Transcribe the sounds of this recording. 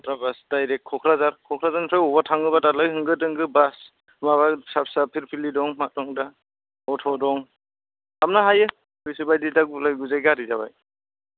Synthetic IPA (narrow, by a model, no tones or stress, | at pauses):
tɾabasdajɾek̚kʰːɔkʰɾazaɾkʰɔkʰɾazanpʰajɔbatʰaŋɯbatalajhɯŋɡɯdɯŋɡɯbas | mabasap̚sapʰiɾpʰilidɔŋmatɔŋda | ɔtʰɔdɔŋ | am̚naɦajɯ | pɯjsɯbajdidaɡ̚bulajɡuzajɡaɾizaba̰j